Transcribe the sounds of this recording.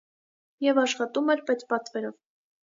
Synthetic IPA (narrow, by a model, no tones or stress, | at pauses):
jɛvɑʃχɑt̪umɛɾpɛt͡spɑt̪vɛɾɔv